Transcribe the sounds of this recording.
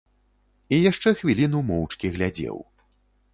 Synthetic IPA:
ijaʂt͡ʂɛxvʲilʲinumɔwt͡ʂkʲiɣlʲad͡zʲɛ̰w

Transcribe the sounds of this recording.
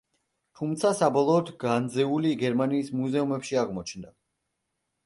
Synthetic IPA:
t̪ʰumt̪sʰasabɔlˠɔːd̪ʰɡand̪zɛuliɡɛɾmaniːsmuzɛumɛpʃiaʁmɔt͡ʃʰnd̪a

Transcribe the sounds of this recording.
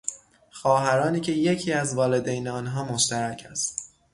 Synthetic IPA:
xɒːɦæɾɒːniːcʰe̞je̞cʰiːæzvɒːle̞d̪ejneɒːnɦɒːmoʃt̪æɾæcʰæst̪

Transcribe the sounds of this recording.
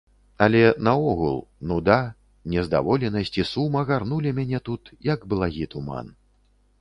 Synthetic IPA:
ɐlʲɛnɐɔɣulˠnud̪a | nʲɛzd̪a̰vɔlʲɛnɐsʲt͡sʲisumɐɣarnulʲimʲanʲɛt̪ut̪jɐɡblˠaɣʲit̪uma̰n

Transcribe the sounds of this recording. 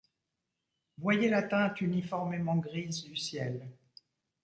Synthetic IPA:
vwajelat̪ɛ̃t̪ynifɔʁmemɑ̃ɡʁizd̪ysjɛl

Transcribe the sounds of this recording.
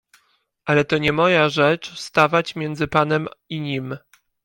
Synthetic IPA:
ʔalɛt̪ɔɲɛmɔjaʐɛt͡ʂst̪avat͡ɕmʲjɛnd̪zɘpanɛmiɲim

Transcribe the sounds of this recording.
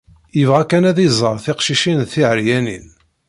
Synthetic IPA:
jəvʁækːænæðizˤəɾˤθɪqʃiʃinθiʕəɾjænḭn

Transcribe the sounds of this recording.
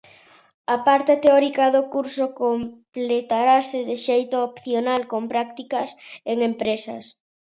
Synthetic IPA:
ɐpaɾt̪et̪eɔɾikaðokuɾsokomplet̪aɾasɪðɪʃejt̪oopθjonalkompɾakt̪ikaseŋempɾesɐ̰s

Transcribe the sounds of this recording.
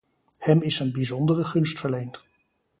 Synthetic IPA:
hɛmɪsənbizɔndərəχɵnstfəɹlejnt

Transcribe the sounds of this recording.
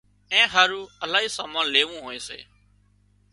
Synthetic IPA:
ɛ̃ːɦaːɾuːəlaːɦiːsaːmaːnleːʋũːɦoːeːsḛː

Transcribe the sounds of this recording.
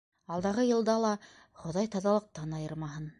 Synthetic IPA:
ɑlˠd̪ɑʁɤjɤ̆lˠd̪ɑlˠɑ | χŏðɑjt̪ɑðɑlˠɤ̆q̚t̪ɑnɑjɤɾmɑɦɤn

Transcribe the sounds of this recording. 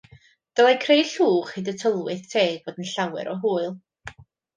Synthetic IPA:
d̥əlˠajkʰrejɬuːχidətʰəlˠwɨθtʰeːɡ̚b̥oːdənɬawɛ̰ɾʔɔɦuːɨlˠ

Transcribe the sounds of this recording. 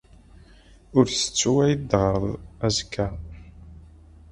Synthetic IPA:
ʊɾθə̥t͡sːwæjd̪ʁəɾˤðˤæzkʰːæ

